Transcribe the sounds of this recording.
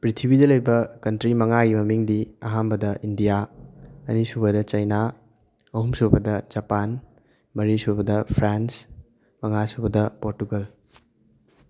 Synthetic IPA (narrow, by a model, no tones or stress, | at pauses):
pɾitʰibidɐlɐjbɐkɐntɾimɐŋaɡimɐmiŋdiɐɦanbɐdɐʔindijaɐ̰nisubɐdɐt͡ʃɐjna | ɐhumsobɐdɐd͡ʒɐpan | mɐɾisubɐdɐpʰɾans | mɐŋasobɐdɐpoɾtuɡɐl